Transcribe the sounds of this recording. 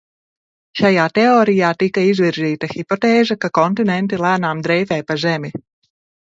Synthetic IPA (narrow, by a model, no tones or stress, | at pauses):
ʃajaːt̪ɛoːɾijaːt̪ikaizviɾziːt̪axipɔt̪ɛːʒakakɔnt̪inɛnt̪̬ilˠæːnaːmd̪ɾɛjfɛːpazɛmi